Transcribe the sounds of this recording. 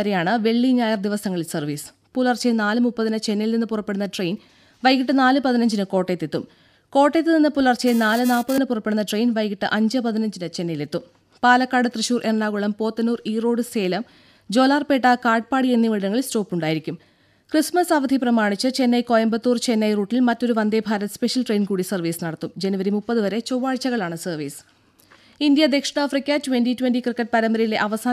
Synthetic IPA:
ɐɾejaːɳɨʋe̞ɭːiɲaːjɐrd̪iʋɐsɐŋːɐɭilsɐrʋiːs | pulɐrt͡ɕːenaːlɨmupːɐðinɨt͡ɕe̞nːɐjilninːɨpurɐpːeɽunːɐʈrejn | ʋɐjɣiʈ̬ːɨnaːlɨpɐðinɐɲd͡ʑinɨko̞ːʈːet̪ːet̪ːum | ko̞ːʈːet̪ːɨninːɨpulɐrt͡ɕːejnaːlɨnaːpːɐðɐinɨpurɐpːe̞ɽunːɐʈrejnʋɐjɣiʈːɨʔɐɲd͡ʑɨpɐðinɐɲd͡ʑinɨt͡ɕe̞nːɐjile̞t̪ːum | paːlɐkːaːɽɨt̪rɨɕuːrʔernːaːɣuɭɐmpo̞ːt̪ːɐnuːriːro̞ːɽɨseːlɐm | d͡ʑo̞ːlaːrpe̞ːʈːɐkaːrʈ̚paːɽienːiʋiɭɐɾɐŋːɐɭistoːpːuɳɖaːjiɾikʲːum | krɨsmɐsaʋɐd̪ʱiprɐmaːɳit͡ɕːɨt͡ɕe̞nːɐjkojɐmbɐt̪ːuːrt͡ɕe̞nːɐjruːʈːilmɐtːo̞ɾuʋɐnd̪ebʱaːɾɐt̪ːɨ̥spe̞ʂjɐlʈrejnkuːɽisɐrʋiːsɨnɐɽɐt̪ːumd͡ʑe̞nuʋɐɾimupːɐðɨʋɐɾe̞t͡ɕoʋːaːɻt͡ɕːɐɣɐɭaːɳɨsɐrʋiːsɨ̥ | ind̪jɐd̪e̞kʂɐɽaːfrikʲːɐtuwenɖituwenɖikrɨkːɐʈ̚pɐɾɐmbɐɾɐjile̞ʔɐʋɐsaː

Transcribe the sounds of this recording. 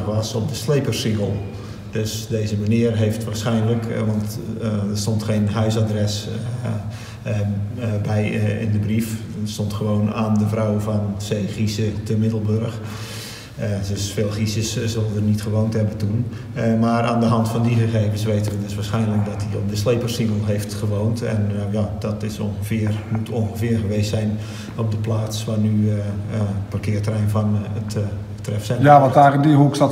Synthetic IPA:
ʋɔsɔp̚dəsleːpərsiɦəlˠ | døsdeːzəmaniərɦeːftʋaːrsχɛjnləkʋɑntdərstɔntxeːnɦœɥsadrɛs | bɛjɪ̰ndəbrif | stɔntχəʋoːnaːndəvrawvɔnseːχisətəmɪdəlˠbørəx | dəsfeːlˠχisəssølˠdərnitχəʋoːnthɛbətun | mara̰ːndəɦɑntfɔndixəxeːvənsʋejtəʋədɪsʋaːsχɛjnlək̚dɔtdiomdəsleːpərsiŋəlˠɦeftχəʋoːntɛ̰njadɔtɪso̰nxəfɪərmutʰonxəvɪːrɣəʋeːstsɛjn | op̚dəplaːtsʋanyəparkɪətrɛjnfɔnət | trɛfsɛjaʋɔtaədiɦuksa

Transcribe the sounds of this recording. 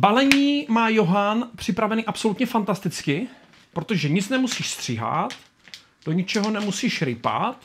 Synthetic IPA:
balɛɲiːmaːjo̞ɦanpr̝̥ɪpɾavɛniːʔapso̞lut̪ɲɛfant̪ast̪ɪt͡skɪ | pɾo̞t̪o̞ʒɛɲɪt͡snɛmusiːʃst̪r̝̥ɪɦa̰t̪ | d̥o̞ɲɪt͡ʃɛɦo̞nɛmusiːʃɾɪpa̰t̪

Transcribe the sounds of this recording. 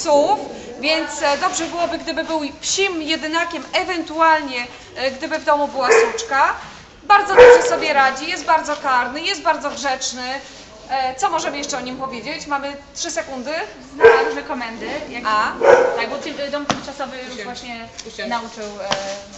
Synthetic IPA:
sufvʲjɛnt̪sd̪ɔbʐɛbɘwɔbɘɡd̪ɘbɘbɘwpɕimjɛd̪ɘnakʲɛmɛvɛnt̪ualɲɛ | ɡd̪ɘbɘvd̪ɔmubɘwasut͡ʂka | baɾd̪zɔd̪ɔbʐɛsɔbʲjɛɾad͡ʑijɛst̪̚baɾd̪zɔkaɾnɘjɛst̪̚baɾd̪zɔɡʐɛt͡ʂnɘ | t̪sɔmɔʐɛmɘjɛʂt͡ʂɛɔɲimpɔvʲjed͡ʑet͡ɕmamɘtʂɘsɛkund̪ɘ | znaamɘkɔmɛnd̪ɘjaɡat̪aɡbɔt̪d̪ɔmt̪ɪmt͡ʂasɔvəvwaɕɲɛnaut͡ʂɘw

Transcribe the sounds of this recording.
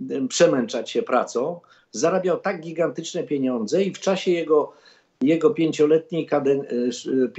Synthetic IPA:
pʂɛmɛnt͡ʂat͡ɕɕɛpɾa̰t̪sɔ̃w̃ | zaɾabʲjawt̪aɡ̚ɡʲiɡant̪ɘt͡ʂnɛpʲjeɲɔnd̪zɛift͡ʂaɕɛjɛɡɔ | jɛɡɔpʲjeɲt͡ɕɔlɛt̪̚ɲejkad̪ɛnpʲ

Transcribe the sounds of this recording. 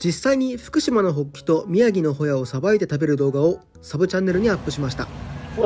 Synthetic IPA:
d͡ʑisaiɲ̟iɸɯ̟̥kɯ̟ɕimano̞ɦo̞kʲːi̥t̪o̞mʲiaɡʲino̞ɦo̞jao̞sabait̪e̞t̪abe̞ɾɯ̟d̪o̞ːɡao̞ | sabɯ̟t͡ɕãnːe̞ɾɯ̟ɲ̟iapːɯ̟ɕimaɕi̥t̪a̰

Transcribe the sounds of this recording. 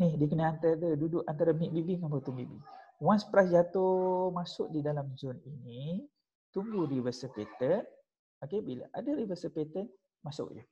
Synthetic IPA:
nihdik̬ənəant̪adədudʊʔant̪aɾamiʔbibiŋambat̪umbiʔbḭwanspɾasd͡ʒat̪omasʊʔ̚didalamzʊnini | t̪uŋɡuɾivəsəpet̪ən | okebila̰ʔadaɾivəsəlpet̪ən | masʊ̰ʔd͡ʒə

